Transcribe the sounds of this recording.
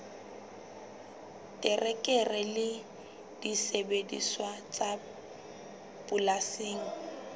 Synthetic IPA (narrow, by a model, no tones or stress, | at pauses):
tʼɪrɛkʼɛrɛlɪ | d̥isebedḭswat͡sʼa | bʊlaseːŋ̩